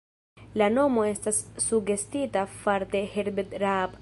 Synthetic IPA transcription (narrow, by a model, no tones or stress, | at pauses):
lano̞mo̞e̞stasːuɡe̞stitafaɾte̞heɾbedɾab